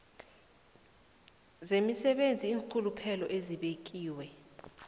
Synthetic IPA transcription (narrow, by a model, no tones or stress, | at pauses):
zemisɛɓend͡zʱiːŋkʰulupʰɛlɔʔeziɓek̬ʼiːwɛ